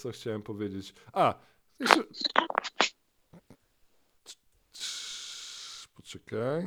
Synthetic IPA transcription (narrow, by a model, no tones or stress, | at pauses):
sɔxt͡ɕawɛmpɔvʲjed͡ʑet͡ɕa | ɛsɛ | pɔt͡ʂɛkaj